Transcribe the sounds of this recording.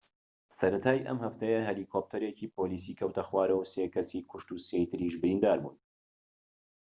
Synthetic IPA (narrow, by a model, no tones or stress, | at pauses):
sɐɾɐt̪ʰaːjʔɐ̰mhɐft̪ʰɐjɐɦeliːkʰop̚t̪ʰɐɾeːciːpoːliːsiːkʰɐwt̪ʰɐxwaːɾɐwseːkʰɐsiːkʰʊʃt̪usejt̪ʰɨɾiːʃbɨɾind̪aːɾbṵːn